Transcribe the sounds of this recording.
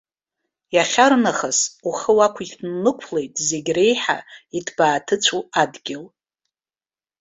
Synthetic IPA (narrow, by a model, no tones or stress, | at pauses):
jaχʲarnaχasuχəwakʷʰitnːɨkʷʰle̞jtʼze̞ɡʲre̞jħa̰itʰbaːtʰɨt͡ɕʷʰuadɡʲɪl